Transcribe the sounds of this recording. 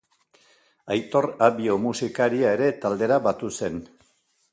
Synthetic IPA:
ajt̪o̞raβio̞musikaɾiaeɾe̞t̪ald̪e̞ɾaβat̪use̞n

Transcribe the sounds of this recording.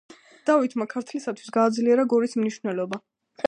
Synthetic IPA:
d̪̥avit̪ʰmakʰaɾt̪ʰlisat̪ʰwi̥sɡaːd̪zliɛɾaɡɔɾismniʃwnɛlɔba

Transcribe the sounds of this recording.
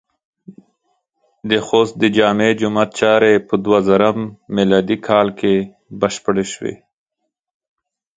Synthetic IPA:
d̪əxost̪̚d̪əd͡ʒɑmed͡ʒʊmat̪̚t͡ʃɑɾepəd̪wazaɾamːɪlɑd̪ikʰɑlkʰe | bəʃpəɽeʃwḛ

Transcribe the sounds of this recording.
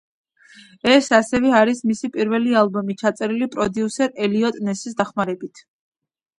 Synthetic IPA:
ɛsasɛvɛaɾismisipʼiɾvɛlialˠbɔmit͡ʃʰat̪sʼɛɾilipʼɾɔd̪iusɛɾɛliɔt̪ʼnɛsis̬d̪aχmaɾɛbit̪ʰ

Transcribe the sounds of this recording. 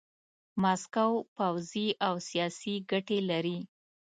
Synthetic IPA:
maskawpawziʔawsijɑsiɡaʈelaɾi

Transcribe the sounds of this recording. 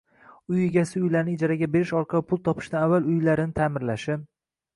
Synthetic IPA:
ʊjeɡʲasɪʊjlaɾɪnɪɪd͡ʒaɾaɡʲabe̞ɾɪʃɒɾqʰɑlˠɪpʰʊlˠt̪ʰɒpʰɪ̥ʃd̪anavːalˠʊjlaɾɪnɪt̪ʰaːmɪɾlaʃɪm

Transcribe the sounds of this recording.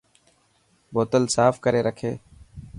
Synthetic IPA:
boːt̪əlsaːfkəɾeːɾəkʰeː

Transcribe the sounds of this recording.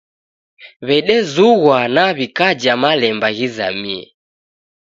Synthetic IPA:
βɛɗɛzuɣwanaβikad͡ʒamalɛmbaɣiza̰miɛ̰

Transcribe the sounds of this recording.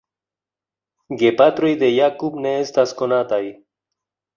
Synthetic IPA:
ɡepat̪ɾojd̪ejakupneest̪askonat̪aj

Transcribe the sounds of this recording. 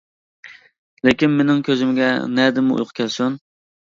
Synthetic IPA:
lekʲinmenɪŋkʲʰøzɪmɡʲɛ̰nɛd̪ɪmɨṵjqʰʊ̥kʲʰɛlsun

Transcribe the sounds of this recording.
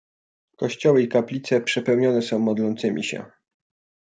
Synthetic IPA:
kɔɕt͡ɕɔwɘikaplʲit̪sɛpʂɛpɛwɲɔnɛsɔ̃w̃mɔd̪lɔnt̪sɘmʲʔḭɕɛ̰

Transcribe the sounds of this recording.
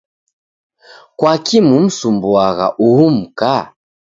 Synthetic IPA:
kwakimum̩sumbuaɣa̰ʔuhum̩ka

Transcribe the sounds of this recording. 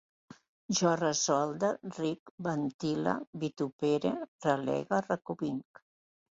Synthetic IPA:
ʒɔrəzɔlˠd̪arikbant̪ila̰bit̪upeɾeralɛ̰ɣarakuβiŋk

